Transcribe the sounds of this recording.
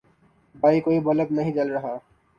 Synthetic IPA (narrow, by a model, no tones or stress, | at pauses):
baːikoibɔləbnɐɦĩt͡ʃɐlɾɐɦa